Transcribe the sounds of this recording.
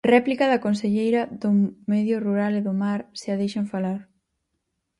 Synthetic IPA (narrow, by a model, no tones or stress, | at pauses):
rɛplikɐðɐkonseʎejɾɐðʊmɛðjʊruɾaleðʊmaɾsɪaðejʃɐɱfalaɾ